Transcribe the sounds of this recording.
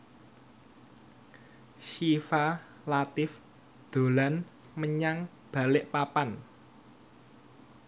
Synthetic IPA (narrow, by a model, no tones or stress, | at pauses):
ʃifa | lat̪ɪf | d̪̥o̤lan | məɲaŋ | b̥a̤lɪʔpapan